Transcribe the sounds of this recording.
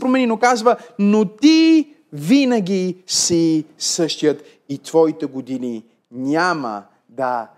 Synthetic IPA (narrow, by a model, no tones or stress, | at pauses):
pɾomɛninokazvənot̪i | vinəɡʲisisɤʃt̪ʲjət̪ | it̪vɔit̪ɛɡod̪ini | nʲamə̰ | d̪ɐ